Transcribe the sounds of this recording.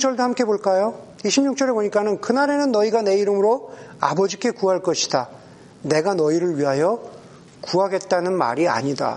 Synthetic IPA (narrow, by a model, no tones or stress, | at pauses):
t͡ɕ͈ʌɭdohamk͈e̞boɭk͈ajoiɕʰimɲuk̚t͡ɕ͈ʌɾe̞boɲik͈anɯnkɯnaɾe̞nɯnːʌiɡane̞iɾɯmɯɾoa̰bʌd͡ʑik͈e̞kuɦaɭk͈ʌɕʰi̥da | ne̞ɡanʌiɾɯɭɥiɦajʌ | kuɦaɡe̞t̚t͈anɯnma̰ɾia̰ɲida̰